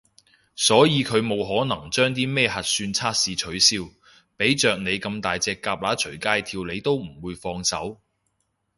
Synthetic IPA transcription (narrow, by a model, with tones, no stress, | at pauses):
sɔː˨˥jiː˨˧kʰɵ˨˧ɥmo˨˧wɦɔː˨˥nɐ˨˩ŋt͡ʃœː˥ŋt̪̬iː˥mɛː˥hɐ˨t̚syː˧nt͡sʰaː˥t̚siː˨˧t͡ʃʰɵ˨˥ɥsiː˧w | pe˨˥jt͡ʃœː˨k̚ne˨˧jkɐ˧mt̪aː˨jt͡sɛː˧kːaː˧p̚laː˨˥t͡ʃʰɵ˨˩ɥkaː˧˥jt̪ʰiː˧wle˨˧jt̪o˥wm̩˨˩wuː˨˧jfɔː˧ŋsɐ˨˥w